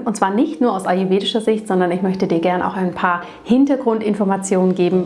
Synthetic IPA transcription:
ʔʊntt͡sv̥aːɐnɪçtnuːɐaʊsʔauveːdɪʃɐzɪçtz̥ɔndɐnɪçmœçtədiːɐɡɛɐnʔa̰ʊxaɪnpʰaːɐ | hɪntɐɡʁʊntʔɪnfɔɐmat͡sjoːnənɡeːbm̩

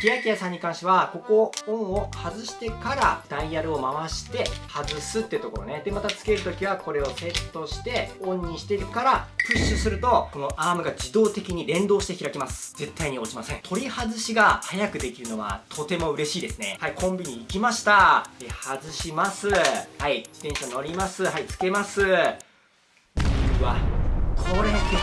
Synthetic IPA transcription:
kʲijakʲijasãɲ̟ːikãɰ̃ɕiβako̞ko̞õɰ̃o̞hazɨɕi̥t̪e̞kaɾa̰d̪̥aijaɾɯ̟o̞maβaɕi̥t̪e̞hazɨsɨt̪ːe̞iɯ̟t̪o̞ko̞ɾo̞ned̪e̞mat̪at͡sɨ̥ke̞ɾɯ̟t̪o̞kʲiβako̞ɾe̞o̞se̞t̪ːo̞ɕi̥t̪e̞õ̞ɲ̟ːĩɕi̥t̪e̞ɾɯ̟kaɾaɸɯ̟ɕːɨsɨɾɯ̟t̪o̞ko̞no̞ʔaːmɯ̟ɡad͡ʑid̪o̞ːt̪e̞kʲiɲ̟iɾẽ̞nd̪o̞ːɕi̥t̪e̞çiɾakemasɨ̥ze̞t̪ːaiɲ̟iot͡ɕimasẽ̞ŋ̃t̪ʰo̞ɾʲihazɨɕiɡahajakɯ̟d̪e̞kʲiɾɯ̟no̞βa̰t̪ʰo̞t̪e̞mo̞ɯ̟ɾe̞ɕiːd̪e̞sɨne̞̰haikʰõ̞mbʲiɲ̟iːkʲimaɕi̥t̪aehazɨɕimasɨhaid͡ʑi̥t̪ẽ̞ɰ̃ɕano̞ɾʲimasɨhait͡sɨ̥ke̞masɨ | βakʰo̞ɾea

